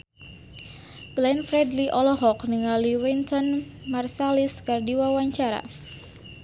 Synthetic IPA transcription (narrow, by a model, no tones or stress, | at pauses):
ɡ̥lɛnfɾɛdliʔɔlɔɦɔkniŋaliwint̪ɔnmarsaliskardiwawaɲt͡ʃaɾa̰